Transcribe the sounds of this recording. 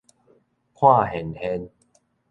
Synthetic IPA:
kʰwaː˥˩he˨˦nhe˧n

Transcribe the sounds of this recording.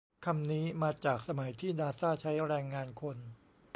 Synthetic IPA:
kʰa˧mniː˦˥maː˧t͡ɕaː˨˩k̚sa˧ma˩˦jt̪ʰiː˥˩naː˧saː˥˩t͡ɕʰa˦˥jɾɛː˧ŋːaː˧nkʰo˧n

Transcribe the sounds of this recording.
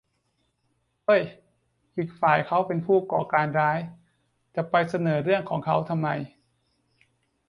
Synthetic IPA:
ʔɤ˥˩j | ʔiː˨˩k̚faː˨˩jkʰa˦˥wpe˧npʰuː˥˩kɔː˨˩kaː˧nɾaː˦˥j | t̪ɛː˨˩pa˧jsa˧nɤː˩˦ɾɯ˥˩əŋkʰɔː˩˦ŋkʰa˦˥wt̪ʰa˧mːa˧j

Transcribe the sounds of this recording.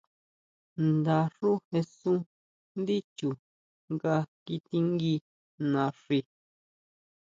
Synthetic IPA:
nd̪a˧ʂu˦he˧sũ˦ | nd̪i˦t͡ʃu˨ | ŋɡa˧ki˧t̪i˧ŋɡi˧ | nã˧ʂi˧

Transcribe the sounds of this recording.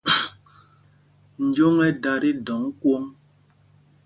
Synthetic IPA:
n̩˨˦d͡ʒo˦ŋɛ˦da˨ɾi˦dɔ˨˦ŋ˦kwo˦ŋ

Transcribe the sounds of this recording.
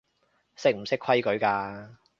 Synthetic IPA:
sɪ˥k̚m̩˨˩sɪ˥kʰwɐ˥jkɵ˨˥ɥkaː˧

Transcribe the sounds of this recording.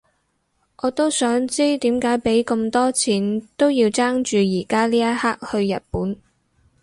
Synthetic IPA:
ʔɔː˨˧t̪o˥wsœː˨˥ŋt͡siː˥t̪iː˨˥mkaː˨˥jpe˨˥jkɐ˧mt̪ɔː˥t͡sʰiː˨˥nt̪o˥wjiː˧wt͡saː˥ŋt͡ʃyː˨jiː˨˩kaː˥liː˥jɐ˥t̚haː˥k̚hɵ˧ɥjɐ̰˨t̚puː˨˥n

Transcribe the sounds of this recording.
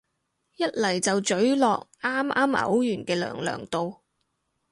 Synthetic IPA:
jɐ˥t̚lɐ˨˩jt͡sɐ˨wt͡ʃɵ˨˥ɥlɔː˨k̚ʔaː˥mʔaː˥mʔɐ̰˨˥wjyː˨˩nkɛː˧lœ̰ː˨˩ŋlœ̰ː˨˩ŋt̪o˨w

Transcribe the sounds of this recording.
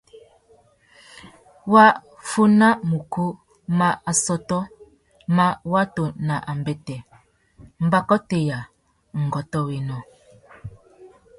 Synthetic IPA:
wa˦ | fu˦na˦mu˨ku˦ | ma˦a˨sɔ˦tɔ˦ | ma˦wa˦to˨na˨ʔa˨m˨bɛ˦tɛ˨ | m̩˨˦ba˦kɔ˦te˨ja˨ | ŋ̩˨ɡɔ˨tɔ˦we˨nɔ˨

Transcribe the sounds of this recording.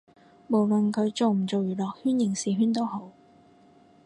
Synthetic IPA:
mo˨˩wlə˨nkʰɵ˨˧ɥt͡so˨wm̩˨˩t͡so˨wjyː˨˩lɔː˨k̚hyː˥njɪ˨˩ŋsiː˨ɦyː˥nt̪o˥who˨˥w

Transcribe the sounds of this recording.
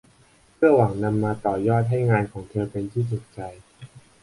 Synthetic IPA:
pʰɯ˥˩ɐwa˩˦ŋna˧mːaː˧t̪ɔː˨˩jɔː˥˩t̪̚ɦa˥˩jŋaː˧nkʰɔː˩˦ŋt̪ʰɤː˧pe˧nt̪ʰiː˥˩t̪u˨˩k̚t͡ɕa˧j

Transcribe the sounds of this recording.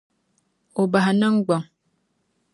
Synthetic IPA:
o˨ba˨ha˨nə˦ŋ̩˦ɡ͡bɔ˨ŋ

